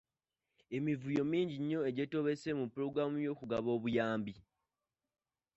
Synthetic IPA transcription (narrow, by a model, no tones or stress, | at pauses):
e̞mivujo̞miːɲɟiɲːo̞e̞ɟeto̞βe̞se̞mupːuɾo̞ɡɾamujo̞ːkuɡaβo̞ːβujaːmbi